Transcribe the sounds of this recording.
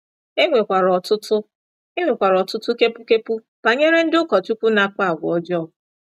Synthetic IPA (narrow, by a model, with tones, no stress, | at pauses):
e˦ŋʷe˨kʷa˨ɾɔ˨tʊ˦tʊ˦ | e˦ŋʷe˨kʷa˨ɾɔ˨tʊ˦tʊ˦ke˦pu˦ke˦pu˦ | pa˨ɲe˦ɾe˦n̩˦dʊ˦kɔ˨tu˦kʷu˦na˨ka˦˨ɡʷɔ˦d͡ʒɔ˦˨